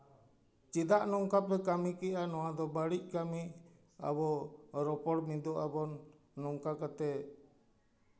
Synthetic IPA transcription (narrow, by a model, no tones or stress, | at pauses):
t͡ʃid̪aʔnɔŋkapɛkamikɛanɔwad̪ɔbaɽic̚kami | a̰bɔɾɔpɔɽmid̪ɔʔabɔnː | ɔŋkakat̪ɛ